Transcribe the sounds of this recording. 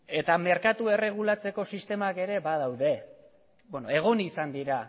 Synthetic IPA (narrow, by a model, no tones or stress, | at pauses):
e̞t̪ame̞ɾkat̪ue̞re̞ɣ̞ulat͡se̞ko̞sist̪e̞make̞ɾe̞baðawðe̞ | bonoe̞ɣ̞o̞nisand̪iɾa